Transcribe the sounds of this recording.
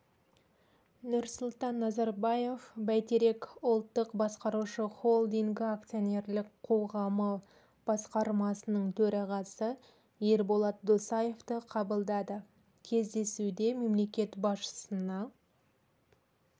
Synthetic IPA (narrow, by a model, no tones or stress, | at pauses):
nʊɾsʊlˠt̪ɑnːɑzɑɾbɑje̞fbæjt̪eɾe̞kʊlˠt̪ːəqbɑsqɑɾuʃəχo̞lˠd̪iŋɡɪak̚t̪sio̞nʲe̞ɾlɪkqʰo̞ʁɑmə | b̥ɑsqɑɾmɑsənəɴt̪ʰɵɾɑʁɑsə | je̞ɾbolˠɑt̪̚d̪osɑje̞ft̪əqʰɑbəlˠd̪ɑd̪ə | kʲʰe̞zd̪e̞sud̪e̞me̞mle̞kʲe̞t̪bɑsʃə̥sənɑ